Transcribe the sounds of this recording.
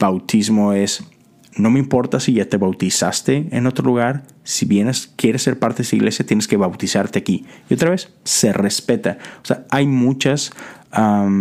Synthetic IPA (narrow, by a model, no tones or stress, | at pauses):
b̥awt̪izmo̞e̞s | no̞meimpo̞ɾt̪asiʝat̪e̞βawt̪isa̰st̪e̞ḛno̞t̪ɾo̞luɣ̞aɾ | siβjeneskje̞ɾesːe̞ɾpaɾt̪eðesaḭɣle̞sjat̪je̞neske̞βawt̪isaɾt̪eakiio̞t̪ɾaβe̞sː | e̞re̞spe̞t̪aoseaajmut͡ʃasam